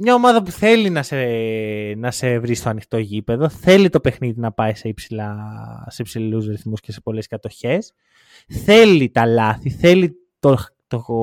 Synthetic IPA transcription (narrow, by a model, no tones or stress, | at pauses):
mɲɐo̞mɐðɐpuθe̞linɐse | nɐse̞vɾist̪oɐnixt̪o̞ʝipe̞ðo̞θe̞lit̪o̞pe̞xniðinɐpɐise̞ipsilɐsepsiluzɾiθmuscese̥po̞le̞skɐt̪o̞çe̞s | θe̞lit̪ɐlɐθiθe̞li | t̪o | t̪o